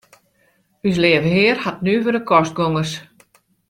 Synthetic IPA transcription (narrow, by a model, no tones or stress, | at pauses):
ys̬leəvəɦɪərhat̚nyʋødəkɔst̚ɡoŋəs